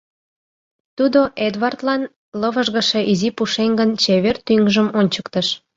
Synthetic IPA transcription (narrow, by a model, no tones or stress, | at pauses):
t̪ud̪oʔed̪βɑrt̪lɑn | ləβəʒɣə̆ʃe̽ʔizipuʃeŋɡənt͡ɕeβert̪yŋʒəmonʲt͡ɕəkt̪əʃ